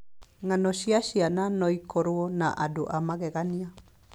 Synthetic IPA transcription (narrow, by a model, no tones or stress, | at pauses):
ŋanɔʃiaʃiananɔikɔɾwonaʔadoʔamaɣɛɣania